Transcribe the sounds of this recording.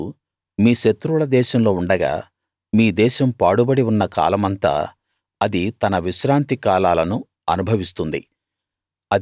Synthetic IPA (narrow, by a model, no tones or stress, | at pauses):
miːʃet̪ɾulɐd̪ɛːʃɐmlo̞ːuɳɖɐɡa̰ː | miːd̪ɛːʃɐmpaːɽubɐɽiunːɐka̰ːlɐmɐnt̪a̰ː | ɐd̪it̪ɐnɐʋiʃɾaːnt̪ikaːlaːlɐnu | ɐnubʱɐʋist̪und̪ḭ | ɐ